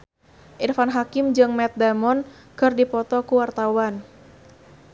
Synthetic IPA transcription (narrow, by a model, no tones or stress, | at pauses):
ʔirfanɦakɪmd͡ʒɨŋmɛt̪̚damɔn | kɨrdipɔt̪ɔkuwart̪awan